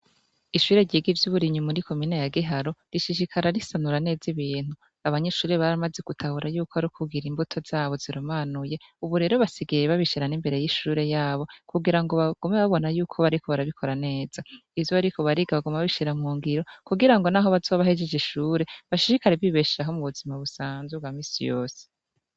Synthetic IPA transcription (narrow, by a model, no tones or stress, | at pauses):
iʃuːɾe̞ɾɟiɡivjuβuɾiɲumuɾikʰo̞minejaɡiɦaɾo̞ɾiʃiʃikʰaɾaɾisanuɾane̞ːziβiːn̥u | aβaɲe̞ʃuːɾe̞βaɾamaze̞kutʰahuɾajuːkoaɾukʰuɡiɾimbutʰo̞z̥aːβo̞ziɾomaːnuje̞uβuɾe̞ːɾo̞βasiɡajeβaβiʃiɾanimbe̞ɾe̞jiʃuːɾe̞jaːβo̞kuɡiɾaŋɡo̞βaɡ̥umeβaβo̞najuːkʰo̞βaɾikʰo̞βaɾaβikʰo̞ɾane̞ːz̥aivjoaɾikʰo̞βaɾiɡaβaɡumaβaβiʃiɾamhuːŋɡiɾo̞kuɡiɾaŋɡo̞naːɦo̞βazoβaɦed͡ʒed͡ʒiʃuːɾe̞βaʃiʃikaɾeviβeʃiɾaɦomuβuzimaβusaːnzweβɡwamisḭjo̞ːse̥